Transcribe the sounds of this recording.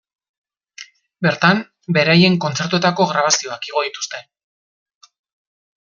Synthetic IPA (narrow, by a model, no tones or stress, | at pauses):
be̞ɾt̪am | be̞ɾaje̞ŋko̞nt͡se̞ɾt̪ue̞t̪ako̞ɣɾaβ̞asio̞akiɣ̞o̞ðit̪u̥st̪e̞